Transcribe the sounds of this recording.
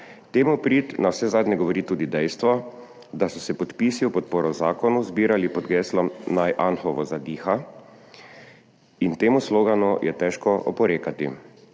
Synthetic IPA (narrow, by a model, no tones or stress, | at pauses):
t̪eːmupɾiːt̪nawsɛzaːd̪ɲɛɡɔʋɔɾiːt̪uːd̪id̪ɛjst̪ʋɔ | d̪asɔsɛpɔt̪piːsiupɔt̪̚poːɾɔzaːkɔnuzbiːɾalipɔd̪ɡɛːslɔmnajʔanxɔʋɔzad̪iːxa | int̪eːmusloːɡanujʔɛt̪ɛːʃkɔʔɔpɔɾeːkat̪i